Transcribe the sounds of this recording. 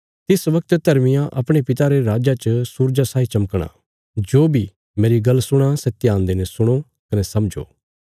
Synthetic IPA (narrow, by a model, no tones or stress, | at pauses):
t̪ɪsʋɐk̚t̪d̪ʱɐɾmɪjãʔɐpɽ̃epɪt̪aɾeɾaːd͡ʒat͡ʃəsuːɾd͡ʒasaːit͡ʃɐməkɽ̃a̰ː | d͡ʒoːbʱi | meːɾiɡɐlːsʊɽ̃asɛt̪jãːnd̪enɛsʊɽ̃o | kɐnɛsɐmd͡ʒo̰ː